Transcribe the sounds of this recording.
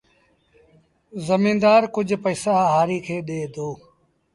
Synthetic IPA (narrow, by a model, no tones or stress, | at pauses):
zəmĩːnd̪aːɾkʊd͡ʒʱpəːsaːɦaːɾiːkʰeːɗeːd̪oː